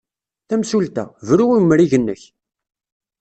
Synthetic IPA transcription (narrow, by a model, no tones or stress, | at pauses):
θæmsult̪æ̰vɾʊʁimːɾiʝənːəç